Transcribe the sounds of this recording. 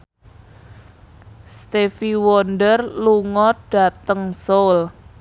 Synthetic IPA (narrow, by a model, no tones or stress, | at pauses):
st̪efiwɔndərluŋɔɖ̥a̤t̪əŋsol